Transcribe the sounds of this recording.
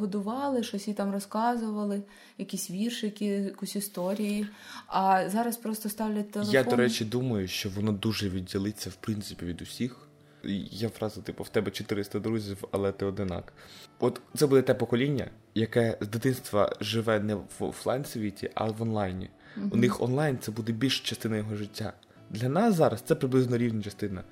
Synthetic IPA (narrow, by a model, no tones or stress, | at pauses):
ɦɔd̪ʊʋɑlˠɪʃɔsʲit̪ɑmrɔskɑzʊʋɐlˠɪ | jɐkʲisʲʋʲirʃɪjɐkʲijɐkusʲist̪ɔɾʲijiɐzɑɾɐspɾɔst̪ɔst̪ɑwlʲɐtʲt̪ːelˠejad̪ɔɾɛt͡ʃid̪umɐjʊʃt͡ʃɔʋɔnɔd̪uʒɛʋʲidʲːilˠɪt͡sʲːɐwpɾint̪sɪpʲiʋʲid̪ʊsʲix | jaʋɾɑzʊt̪ɪpɔwt̪ɛbɛt͡ʃɔt̪ɪɾɪst̪ɐd̪ɾuzʲiwɐlˠɛt̪ɪɔd̪ɪnɑ̰kɔt̪t̪sɛbud̪ɛt̪ɛpɔkɔlʲinʲːɐ̰ | jɐkɛzd̪ɪt̪ɪnst̪ʋɐ̰ʒɪʋɛnɛʋ̰lˠɑjnsʋʲitʲḭʔɐ̰ʋɔnlˠɑjnʲḭ | unɪxɔ̰nlˠɑjnt̪sɛbud̪ɛbʲilʲʃt͡ʃɐst̪ɪnɐjɔɦɔʒɪtʲːa̰ | d̪lʲɐnɑszɑɾɐst̪sɛpɾɪblˠɪznɔɾʲiʋnʲɐt͡ʃɐst̪ɪnɐ